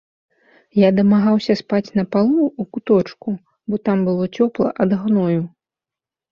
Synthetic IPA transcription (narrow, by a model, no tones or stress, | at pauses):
jad̪ɐmaɣawsʲɐspat͡sʲnɐpalˠuukut̪ɔt͡ʂku | bɔt̪ambɨlˠɔt͡sʲɔplˠɐ̰ʔad̪ɣnɔju